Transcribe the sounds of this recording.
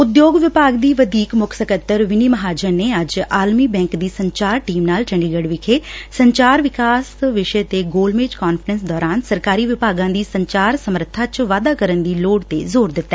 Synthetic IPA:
ʊd̪joːɡʋɪpaːɡd̪iːʋəd̪iːkmʊkʰsəkət̪ːəɾʋɪniːməɦaːd͡ʒəɾneːəd͡ʒaːlmiːbɛ̃ːŋkd̪iːsəɲt͡ʃaːɾʈiːmnaːlt͡ʃəɳɖiːɡəɽʋɪkʰeːsəɲt͡ʃaːɾʋɪkaːsʋɪʃət̪eːɡoːlmeːd͡ʒkaːnfɾənsd̪ɔːɾaːnsəɾkaːɾiːʋɪpaːɡãːd̪iːsəɲt͡ʃaːɾsəməɾt̪ʰaːt͡ʃʋaːd̪aːkəɾənd̪iːloːɖt̪ḛːzoːɾd̪ɪt̪ːɛː

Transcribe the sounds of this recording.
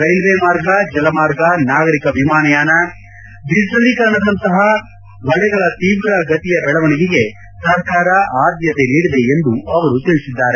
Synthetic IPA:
ɾɐjlʋeːmaːɾɡɐd͡ʒɐlɐmaːɾɡɐnaːɡɐɾikɐbʱimaːnɐjaːnɐ | d̪id͡ʒɾɐd̪ikɐɾɐɳɐd̪ɐnt̪ɐɦɐ | ʋɐɭɛɡɐɭɐt̪iːʋɾɐɡɐt̪ijɐbɛɭɐʋɐɳiɡiɡe̞ | sɐɾkaːɾɐʔaːd̪jɐt̪e̞niːɽid̪e̞end̪uɐʋɐɾut̪iɭisid̪ːaːɾe̞

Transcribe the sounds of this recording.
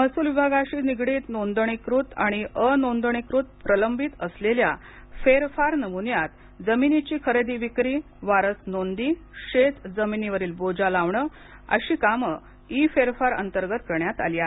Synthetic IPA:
məsuːlʋibʱaɡaɕiːniɡɽiːt̪nond̪ɳikɾut̪a̰ɽ̃iʔənond̪ɳikɾut̪̚pɾələmbit̪əslelja | feɾfaɾnəmunjat̪ | d͡zəminit͡ɕiːkʰəɾed̪iːʋikɾiː | ʋaɾəsnond̪iɕet̪d͡zəminiʋəɾiːlbod͡ʑalaʋɳə | ə̰ɕiːkamə | ifeɾfaɾə̰nt̪əɾɡət̪̚kəɾɳjat̪a̰lia

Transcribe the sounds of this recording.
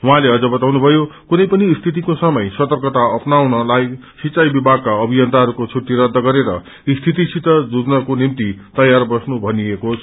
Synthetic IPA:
ɦwãleʌd͡zʌbʌt̪awnubʱʌjokunʌjpʌniːst̪ʰit̪̬ikosʌmʌjsʌt̪ʌrkʌt̪aʌpnawnʌlaj | sit͡sːajbibʱaɡ̚kaʌbʱijʌnt̪aɦʌɾukot͡sʰuʈːiɾʌd̪ʱːʌɡʌɾeɾʌ̰ | ist̪ʰit̪isʰit̪ʌd͡zud͡znʌkonimt̪it̪ʌjarbʌsnubʱʌniekot͡sʰ

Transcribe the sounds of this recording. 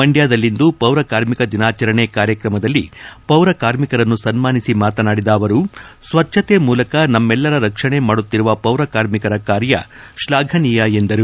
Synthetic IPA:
mɐɳɖjaːd̪ɐlːind̪upɐwɾɐkaːɾmikɐd̪inaːt͡ʃɐɾɐɳekaːɾjɐkɾɐmɐd̪ɐlːipɐwɾɐkaːɾmikɐɾɐnːusɐnmaːnisimaːt̪ɐnaːɽid̪aːʋɐɾusʋɐt͡ʃʃʰɐt̪eːmuːlɐkɐnɐmːɛlːɐɾɐɾɐkʂɐɳe̞maːɽut̪ːiɾuʋɐpɐwɾɐkaːɾmikɐɾɐkaːɾjɐ̰ʃlaːɡʱɐnijɐe̞nd̪ɐɾu

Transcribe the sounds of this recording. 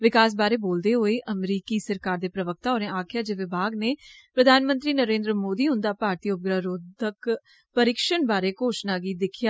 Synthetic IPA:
ʋɪkaːs̬baːɾeːboːld̪eːɦoːeːʔəmɾiːkiːsəɾkaːɾd̪eːpɾəʋək̚ʰt̪aːɦoːnẽːaːkʰɪjaːd͡ʒɪʋɪbʱaːɡneːpɾəd̪ʱaːnmə̃nt̪ɾiːnəɾẽːnd̪ɾəmoːd̪iːɦʊ̃nd̪aːpaːɾt̪iːʊp̚ɡɾaːɾoːd̪ək | pəɾɪkʃənbaːɾeːkoːʃnaːɡiːd̪ɪkʰjaː

